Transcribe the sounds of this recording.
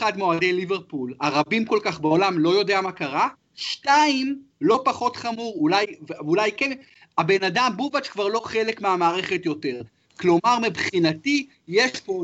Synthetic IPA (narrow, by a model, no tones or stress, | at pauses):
χadmoade̞jlive̞ʁpulaʁabimko̞lkaχbao̞lamlo̞jo̞de̞amakaʁa | ʃtaim | lo̞paχo̞tχamuʁulajvulajken | abe̞nadambuvat͡ʃkvaʁlo̞χe̞lekmeamaːʁe̞χe̞tjo̞te̞ʁ | klo̞maʁmibχinati | jeʃpo